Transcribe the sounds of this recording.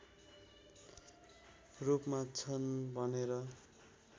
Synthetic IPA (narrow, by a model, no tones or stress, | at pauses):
rupmat͡sʰʌnbʱʌneɾʌ